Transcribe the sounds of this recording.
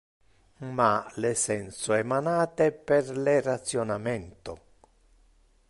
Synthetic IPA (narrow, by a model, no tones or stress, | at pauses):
malesɛnsoɛmanaːt̪epɛrlerat̪sjonamɛnt̪ʊ